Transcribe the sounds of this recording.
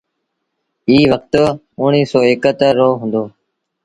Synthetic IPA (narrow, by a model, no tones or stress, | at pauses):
iːʋək̚t̪ | ʊɳiːsoːeːkət̪əɾoːɦʊ̃ːnd̪oː